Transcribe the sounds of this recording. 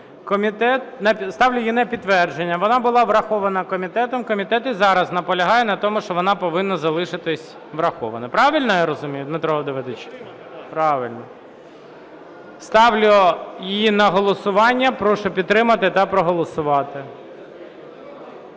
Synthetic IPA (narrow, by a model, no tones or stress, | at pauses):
kɔmʲit̪ɛt̪̚nɛst̪ɑʋlʲʊjinɛpʲid̪ːʋɛrd͡ʒenʲːɐʋɔnɑbʊlˠɑʋɾɐxɔʋɐnɐkɔmʲit̪ɛt̪ɔmkɔmʲit̪ɛt̪izɑɾɐznɐpɔlʲɐɦɑjɛnɐt̪ɔmʊʃt͡ʃɔʋɔnɑpɔʋɪnːɐzɐlˠɪʃɪt̪ɪsʲ | ʋɾɐxɔ̰ʋɐnɐpɾɑʋʲilʲnɔjaɾɔzʊmʲijʊt̪net̪ɾɔɦɔd̪ɪʋed̪ɪt͡ʃ | pɾɑʋɪlʲnɔ | st̪ɑʋlʲʊjinɐɦɔlˠɔsʊʋɑnʲːɐpɾɔʃɔpʲit̪t̪ːɾɪmɐt̪ɪt̪ɐpɾɔɦɔlˠɔsʊʋɑt̪ɪ